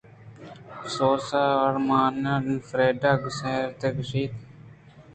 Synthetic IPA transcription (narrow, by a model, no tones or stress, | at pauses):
soːsaːəɽmaːnanfɾeːɖaːɡseːɾt̪eːkəʃiːt̪